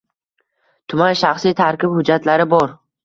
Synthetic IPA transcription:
t̪ʰʊmanʃaχsijt̪ʰaɾkʲɪphʊd͡ʒat̪ʰlaɾɪbɒɾ

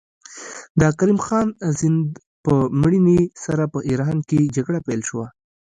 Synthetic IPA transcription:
d̪əkaɾimxɑnzɪnd̪ | pəmɽinisaɾapəʔiɾɦanked͡ʒaɡɽapelʃəwa

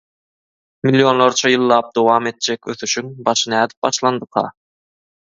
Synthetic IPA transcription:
milːjo̞nlˠoɾt͡ʃʰɑjɯlˠːɑːp̚d̪owɑːme̞t̪̚d͡ʒekʲøθyʃyŋbɑʃɯnæːd̪i̥p̚bɑʃlˠɑnd̪ɯqʰɑ̰

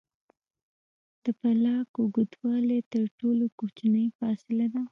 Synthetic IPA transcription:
d̪̥əpalɑkʊɡud̪wɑlet̪əɾʈolokot͡ʃanəjfɑsɪlad̪a

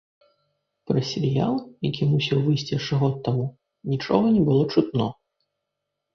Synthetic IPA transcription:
pɾɐsʲɛɾʲja̰lˠjakʲimusʲiwvɨjsʲt͡sʲiɐʂɨɣɔt̪ːamu | nʲit͡ʂɔ̰ɣɐnʲɛbɨlˠɔt͡ʂut̪nɔ

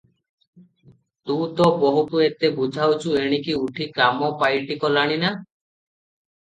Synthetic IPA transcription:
t̪ut̪ɔbɔɦut̪uet̪ebud͡ʒʱawt͡ʃʰueɽ̃ikiuʈʰikamɔpajʈikɔlaɽ̃ina

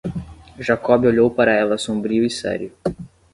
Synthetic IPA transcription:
ʒakɔbɪoʎowpaɾɐɛlɐsõbɾiʊisɛ̰ɾjʊ

